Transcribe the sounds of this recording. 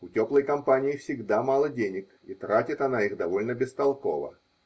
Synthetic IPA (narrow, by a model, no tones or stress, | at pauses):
ʊtʲo̞plˠəjkɐmpanʲɪɪfsʲɪɡd̪amalˠədʲenʲɪk | ḭt̪ɾatʲɪt̪ɐnaixd̪ɐvo̞lʲnəbʲɪst̪ɐlˠko̞̰və̰